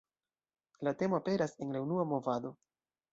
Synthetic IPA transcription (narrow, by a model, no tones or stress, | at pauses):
late̞mo̞ape̞ɾase̞nɾe̞unuamo̞vado̞